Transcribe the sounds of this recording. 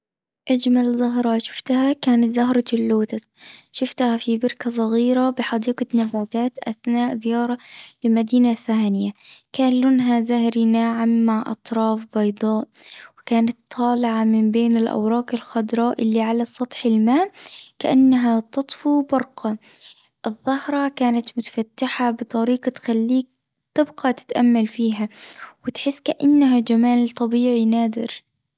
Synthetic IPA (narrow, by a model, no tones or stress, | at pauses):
ʔad͡ʒmalzɑɦɾˤɑʃʊ̥ft̪hakaːnat̪zɑɦɾˤɑlːoːt̪ɪsʃʊft̪hafibɑɾkas̬ˤɑɣiːɾabɪħɑd̪iːqɑt̪nabaːt̪aːt̪ʔaθnaːʔzɪjɑːɾˤɑlɪlmad̪iːnaθːaːnɪjakaːnlʊnɦazahɾinaːʕamːaʕʔɑ̰t̪ˤɾˤɑːfbɑjd̪ˤɑːʔwɪkaːnat̪ʰːɑːlɪʕamɪmbeːnɪlʔa̰wɾˤɑːkɪlxɑd̪ɾˤɑːʔɪlːiʕalasˤɑt̪ˤħɪlmaːʔkaʔanːaɦat̪ɑt̪ˤfubɑɾˤqɑ | ʔɨðˤːɑhɾˤɑkaːnat̪mʊt̪ḁfat̪ːɪħabɨt̪ˤɑɾiːqɑt̪xalːiːk̚ | t̪ɪbqɑt̪ɪ̥t̪ʔamːalfiːɦawɪt̪ħɪsːkaʔanːaɦad͡ʒamaːlt̪ˤɑbiːʕinaːd̪ɪ̰ɾ